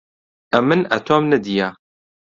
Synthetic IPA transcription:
ʔɐmːɨnɐ̰t̪ʰoːmnɐd̪ijaː

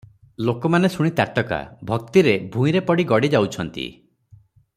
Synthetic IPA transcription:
lokɔmanesuɽ̃it̪aʈɔka̰bʱɔkt̪iɾebʱũĩɾepɔɽiɡɔɽid͡ʒawt͡ʃʰɔnt̪ḭ

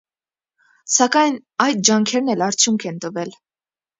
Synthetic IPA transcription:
sɑkɑjnɑjd̪̚d͡ʒɑŋkʰɛɾnɛlɑɾt͡sʰjuŋkʰɛnt̪əvɛl

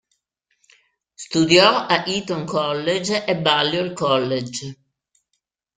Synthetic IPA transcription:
st̪ud̪jɔaʔit̪oŋkʰɔlːed͡ʒebalːjoilkɔlːed͡ʒ

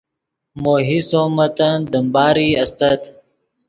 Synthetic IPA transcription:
moːɦisoːmət̪ɐnd̪əmbaːɾiːɐst̪ət̪

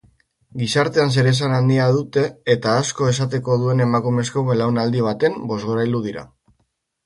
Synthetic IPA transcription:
ɡisaɾt̪e̞ans̬e̞ɾe̞s̬anand̪iaðut̪e̞ːt̪aːsko̞e̞sat̪̬e̞ko̞ðue̞ne̞makume̞skoelawnald̪iβ̞at̪e̞mbo̞zɣo̞ɾajld̪uðiɾa̰

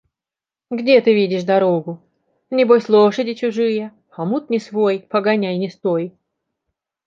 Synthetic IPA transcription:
ɡdʲet̪ɨvʲidʲɪʂd̪ɐɾoɡʊ | nʲɪbojsʲlˠoʂədʲɪt͡ɕʊʐɨjə | ɐmut̪̚nʲɪsvojpəɡɐnʲæjnʲɪst̪oj

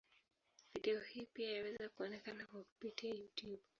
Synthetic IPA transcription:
viɗɛɔhipiajawɛzakuɔnɛkanakwaku̥pitiajutjub

